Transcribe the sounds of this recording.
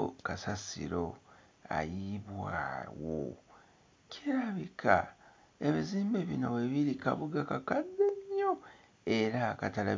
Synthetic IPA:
kasasḭɾo̞ | a̰jiβwa̰ːwo̰ | cʰiɾaβikʰa̰ | eβiziːmbeβino̞βweβiɾika̰βuɡakakadːeɲːo | e̞ɾakatala

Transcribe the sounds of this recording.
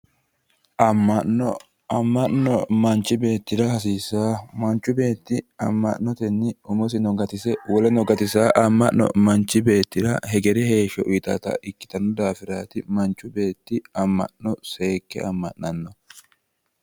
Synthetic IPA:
ʔɐmːɐɔ | ɐmːɐʔnɔmɐnt͡ʃːɪbe̞ːt̪ːɪɾɐhɐsiːsːaːmɐnt͡ʃːʊbe̞ːt̪ːɪɐmːɐʔnːɔt̪ɛnːɪʊmɔs̬ɪnɔɡɐt̪ɪsɛwɔlɛnɔɡɐt̪ɪsaːʔɐmːɐʔnːɔ̰mɐnt͡ʃːɪbe̞ːt̪ːɪɾɐ̰hɛɡɛɾɛhe̞ːʃːɔʔʊt̪ɐ̰ːt̪ɐ̰ʔɪkːɪ̥t̪ɐnːɔd̪aːfɪɾaːt̪ɪmɐnt͡ʃːʊbe̞ːt̪ːɪɐmːɐ̰ʔnːɔse̞ːkːɛ̰ɐmːɐ̰ʔnɐnːɔ

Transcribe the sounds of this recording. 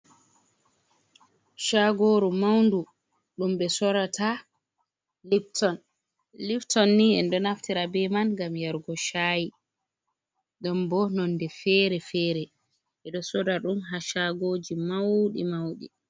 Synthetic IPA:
ʃaɡoːɾumawndu | ɗumɓɛsɔɾatʰa | liftɔn | liftɔnːiɛ̰ndɔnaftiɾabɛmanɡamjaɾɡɔʃaji | ɗɔmbɔnɔndɛfɛɾɛfɛɾɛ | ʔɛɗɔsɔɾaɗumɦaʃaɡoːd͡ʒimawɗḭmawɗḭ

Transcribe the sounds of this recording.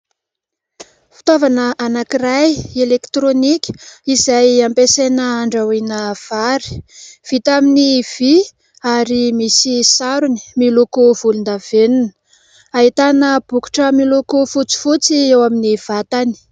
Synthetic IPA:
fi̥t̪avanəʔanakirajelekt̪ɾonikʲə̥izajampesenəaɳɖ͡ʐawinəv̥aɾi̥v̥it̪aminiv̥i | aɾimisisaɾuni̥milokov̥ulund̪av̥enun | aɦit̪anəb̥uku̥ʈ͡ʂəmilokofut͡si̥fut͡siewaminiv̥at̪ani̥

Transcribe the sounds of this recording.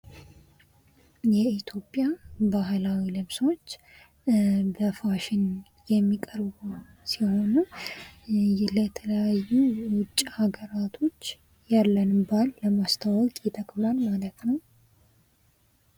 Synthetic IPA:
jɛit̪ʰjo̞pʼːjabaɦlawilɨβsot͡ʃː | bəfaʃɪn | jɛmːikʼəɾbu | siho̞nu | lɛt̪ʰələjajːuwʊt͡ʃʼːihaɡəɾat̪ʰo̞t͡ʃː | jalːənɨbalːəmast̪ʰəwɔkʼit̪ʰəkʼlalmalət̪nəw

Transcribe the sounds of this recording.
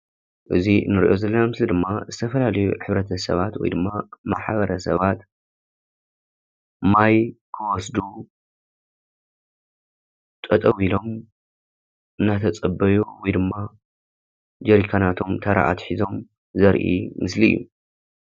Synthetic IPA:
ʔɨzinɨɾiʔo̞zɐlːɐnamɨslid̪ɨmːazɨt̪ʰɐfɐlalɐjuħɨβɾɐt̪ʰɐsɐ̰βat̪wɔ̰jd̪ɨmːama̰ħβɐɾɐsɐ̰βat̪ | majkʰɨwɔsd̪u | t̪ʼɐt̪ʼɐwilo̞m | ɨnːat̪ʰɐt͡sʼɐbːɐjuwɔjd̪ɨmːa | d͡ʒɐɾikʰanat̪ʰo̞mt̪ʰɐɾa̰ʔa̰t̪ħizo̞m | zɐɾʔḭmɨslḭjːṵ

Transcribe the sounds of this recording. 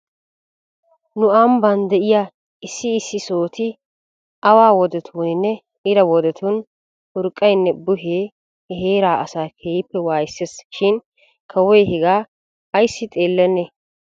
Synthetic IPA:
nʊambɐnd̪ɛʔɪja | ɪsːɪːsːɪsoːt̪ɪ | ɐwaːwɔd̪ɛt̪ʰuːnɪnːɛ | ɪɾɐwɔd̪ɛt̪ʰʊn | ʊɾkʼːɐjnːɛbʊɦeː | hɦeːɾaːʔɐsaːkʰeːjɪpːɛwaːjɪsːesʃɪn | kʰɐwɔjhɛɡaː | ɐjsːɪt̪ʼe̞ːlːɛnːe

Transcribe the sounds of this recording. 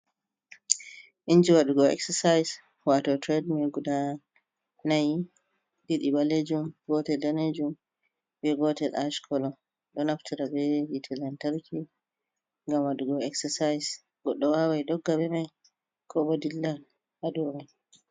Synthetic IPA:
ʔind͡ʒiwaɗuɡɔɛ̰ksɛsajs | watɔtɾɛdmɛɡuda | naj | ɗiɗibaled͡ʒumɡɔtɛldaned͡ʒum | bɛɡɔtɛlaʃkʰɔlɔ | ɗɔnaftiɾabɛjitʰɛlantaɾki | ŋɡamwaɗuɡɔɛksɛsajs | ɡ̥ɔɗːɔwawajɗɔɡːabɛmaj | kʰɔɓɔdilːa | haɗumaj

